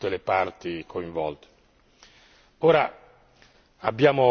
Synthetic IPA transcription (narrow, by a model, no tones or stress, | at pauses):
t̪ːelepart̪ikʰoiɱvɔ̰lt̪e̥ | oːɾa | abːjaːmo